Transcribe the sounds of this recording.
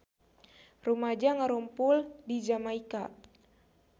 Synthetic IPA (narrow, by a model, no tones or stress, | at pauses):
rumad͡ʒaŋaɾumpuldid͡ʒamaika